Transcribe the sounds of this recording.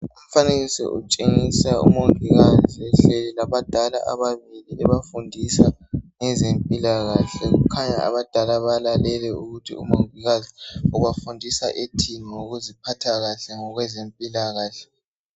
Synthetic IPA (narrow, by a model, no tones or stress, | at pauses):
um̩faneɣisɛ̰ʔṵt͡ʃʼeŋisaṵmoŋʱiɣaziɛɬelilaβad̥ʱalaʔa̰βaβiliɛβafundʱisaŋɛzempʼilaɣaɬɛɣukʰaɲa̰a̰βad̥ʱalaβalalɛlɛuɣutʰḭṵmoŋiɣaziuɣwafundʱisaʔetʰinioɣuzipʰatʰaɣaɬɛŋɔɣwɛzempʼilaɣaːɬɛ̥